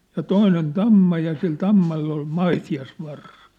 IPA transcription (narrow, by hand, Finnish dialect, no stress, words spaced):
jɑ toinen tɑmːɑ jɑ sil tɑmːɑlː ol mɑitiɑsʋɑrsɑ